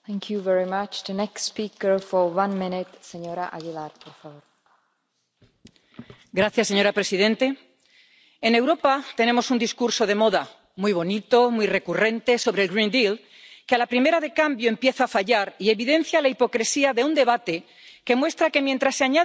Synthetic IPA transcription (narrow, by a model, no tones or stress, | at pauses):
θɛ̃ŋkʰjuvɛɹimat͡ʃðənɛkstspikəɹfɔɾwãnmɪ̃nɪt̪seɲoɾaʔaɣilaɾpoɾfaβoɾ | ɡɾaθjasːe̞ɲo̞ɾapɾe̞sið̞ẽ̞nt̪e̞ | ene̞wɾo̞pat̪e̞ne̞mo̞sund̪iskuɾso̞ð̞e̞mo̞ða | muijβ̞o̞nit̪o̞mwujre̞kure̞nt̪e̞so̞β̞ɾelɣɾind̪il | kealapɾime̞ɾaðe̞kambjo̞empje̞θaːfaʎaɾie̞βiðẽ̞n̟θjalaipo̞kɾesiaðe̞und̪e̞βat̪e̞ | ke̞mwe̞st̪ɾake̞mjent̪ɾasːeaɲa